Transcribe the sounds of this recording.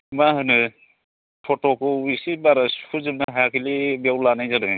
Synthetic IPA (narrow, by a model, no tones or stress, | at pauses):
maɦɯnɯ | pʰɔtɔkɔisibaɾaspʰɯzɯbnaɦakʰilibawlanajzanɯ